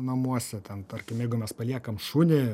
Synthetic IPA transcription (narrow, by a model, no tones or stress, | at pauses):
nɐmuɔsʲɛt̪ʲɛnt̪ɐrʲkʲɪmjɛɪɡʊmʲɛspɐlʲiɛkɐmʃuːnʲɪ